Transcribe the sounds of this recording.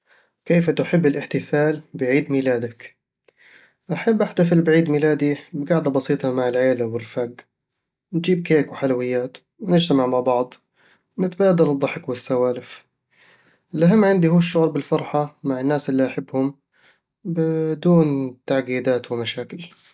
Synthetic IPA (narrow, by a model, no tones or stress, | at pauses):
keːfat̪ʊħɪbːɪlʔɪħt̪ɪfaːlbɪʕiːd̪miːlaːd̪ak | ʔaħabːʔaħt̪afɪlbɪʕiːd̪miːlaːd̪ibɪɡaʕd̪abɑsiːt̪ˤɑmaʕɪlʕeːlawɪlfaɡ | nd͡ʒiːb̚keːkwħalawɪjːaːt̪ | wɪnɪd͡ʒt̪amaʕmaʕbɑʕd̪ˤ | wmɪt̪baːd̪ɪldˤɑħɪkwɪsːawaːlɪf | ʔɪlʔaɦamːʕɪnd̪ihuːʃːʊʕɾˤbɪlfɑɾˤħamaʕɪnːaːsʔɪlːiʔaħɪbːhʊm | bɪd̪uːnt̪aʕɡiːd̪aːt̪wɪmaʃaːkɪl